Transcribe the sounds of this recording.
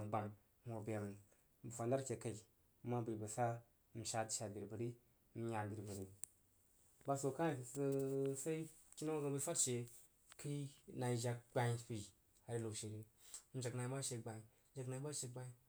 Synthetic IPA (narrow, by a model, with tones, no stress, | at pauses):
ba˨ŋ˦ | mo˨be˨m˨ | bu˨fa˨nda˦ɾkʲe˨ka˨i˨˦ | mːa˦bi˨bə˨sa˦ | m̩˨ʃa˦tʃa˨di˨ɾbə˨ɾi˦ | m̩˦ɲa˨di˨ɾbə˨ɾi˦ | ba˦so˨ka˦˨˦sa˦i˦ | ki˦na˦ɡa˨bə˧fa˦tʃe˨ | ki˦na˨i˨ʒa˧k̚ɡ͡ba˦pi˨ | a˨ɾi˦lo˨ʃe˨ɾi˦m̩˨d͡ʒa˨kna˨i˦ba˦ʃe˧ɡ͡ba˨i˨˦ | d͡ʒa˨kna˨i˦ba˦ʃe˧ɡ͡ba˦i˦